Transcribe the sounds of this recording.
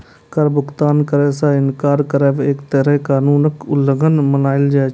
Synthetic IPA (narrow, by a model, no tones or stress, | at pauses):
kəɾbʊkt̪aːnkəɾɛsãɪnkaːɾkəɾɛːʋeːkt̪əːɾɛkaːnuːnəkʊlːəŋɡənməlaːɪld͡ʒaː